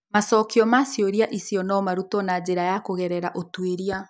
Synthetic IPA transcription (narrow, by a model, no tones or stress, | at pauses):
masɔkiɔmasjoɾiaʔisijɔnɔmaɾutɔnad͡ʑeɾajakoɣɛɾɛɾaʔotweɾia